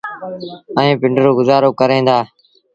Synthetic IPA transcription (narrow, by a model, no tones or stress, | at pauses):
ə̃ẽːpɪɳɖəɾoːɡʊzaːɾoːkəɾẽːnd̪aː